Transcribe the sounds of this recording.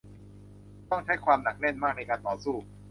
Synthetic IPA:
t̪ɔ˥˩ŋt͡ɕʰa˦˥˦jkʰwaː˧mna˨˩k̚ne˥˩nmaː˥˩k̚na˧jkaː˧nt̪ɔː˨˩˦suː˥˩

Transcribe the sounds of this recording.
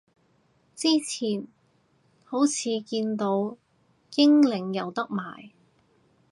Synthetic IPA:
t͡siː˥t͡sʰiː˨˩n | ho˨˥wt͡sʰiː˨˧kiː˧nt̪o˨˧˥w | kɪ˥ŋlɪ˨˩ŋjɐ˨˩wt̪ɐ˥k̚ma̰ː˨˩j

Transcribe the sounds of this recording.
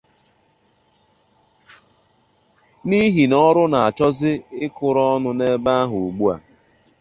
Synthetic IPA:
ni˦ɦi˨nɔ˦ɾʊ˦na˨a˨t͡ʃɔ˦zɪ˦ɪ˦kʊ˨ɾɔ˦ɔ˦nʊ˨ne˦ba˦a˦ɦu˨ɡ͡bu˦a̰˨

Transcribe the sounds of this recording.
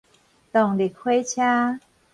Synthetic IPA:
t̪ɔ˨˩ŋli˨˩k̚hwe˦t͡ɕʰja˦

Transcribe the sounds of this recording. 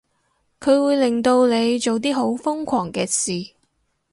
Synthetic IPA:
kʰɵ˨˧ɥwuː˨˧jlɪ˨ŋt̪o˧wle˨˧jt͡ʃo˨wt̪̬iː˥ɦo˨˥wfʊ˥ŋkʷʰɔː˨˩ŋkɛː˧siː˨˩

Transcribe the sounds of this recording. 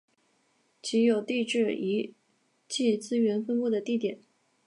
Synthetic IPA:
t͡ɕʰi˧˥jo˨˩ʊt̪i˥˧ʈ͡ʂɻ̩˥˩i˧˥ | t͡ɕi˥˩t͡sɹ̩˥ɥɛ˧˥nfə˥npu˥˩d̪ə˩t̪i˥˩t̪jɛ˨˩˦n

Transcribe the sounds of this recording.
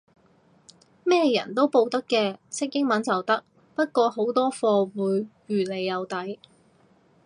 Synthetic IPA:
mɛː˥jɐ̰˨˩nt̪o˥wpo˧wt̪ɐ˥kːɛː˧sɪ˥k̚jɪ˥ŋmɐ˨˥nt͡sɐ˨wt̪ɐ˥k̚ | pɐ˥t̚kʷɔː˧ho˨˥wt̪ɔː˥fɔː˧wuː˨˥jɥyː˨˩le˨jːɐ˨˧wt̪ɐ˨˥j

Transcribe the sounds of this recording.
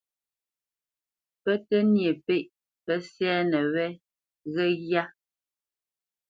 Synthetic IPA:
pɛ˦tɛ˦nje˨pe˦ʔ | pɛ˦sjɛː˦nɛ˨wɛ˦ | ɣɛ˦ɣja˦

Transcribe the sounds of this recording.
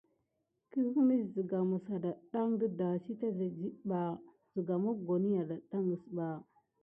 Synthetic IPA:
ki˦ɣu˦mi˦szə˨ɡa˨mə˨sa˨da˨ɗa˦ŋdə˦da˨si˦ta˦za˨d͡ʒi˦ɓa˨ | zə˨ɡa˨mo˦ɡo˨ni˦ja˨da˨ɗa˦ŋə˨sba˨

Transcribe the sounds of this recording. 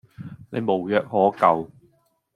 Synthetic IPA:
ne˨˧jmo˨˩wjœː˨k̚hɔː˨˥kɐ˨w

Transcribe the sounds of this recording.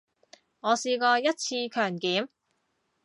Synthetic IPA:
ŋɔː˨˧siː˧kɔː˧jɐ˥t̚t͡sʰiː˧kʰœː˨˩ŋkiː˨˥m

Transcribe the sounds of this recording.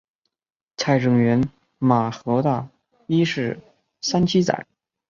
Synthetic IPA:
t͡sʰa˥˩ɪʈ͡ʂɤ˨˩ŋɥɛ˧˥n | ma˨˩xɤ˧˥t̪a˥˧˩ | i˥ʂɻ̩˥˩ | sa˥nt͡ɕʰi˥t͡sa̰˨˩˦ɪ

